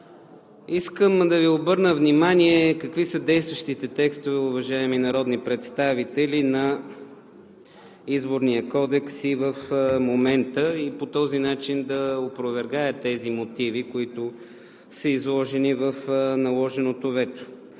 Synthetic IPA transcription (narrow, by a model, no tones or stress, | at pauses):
iskəmd̪ɐviobɤɾnəvnimaniɛkɐkvisəd̪ɛjst̪vəʃt̪it̪ɛt̪ɛkst̪ovɛʊvɐʒaɛminɐɾɔd̪nipɾɛt̪st̪avit̪ɛlinɐ | izboɾniəkɔd̪ɛksivəfmomɛnt̪əipot̪ɔzinat͡ʃind̪ɐopɾovɛɾɡajət̪ɛzimot̪ivikoit̪ʊ | səizlˠɔʒɛnivəfnɐlˠɔʒɛnot̪ovɛt̪o̥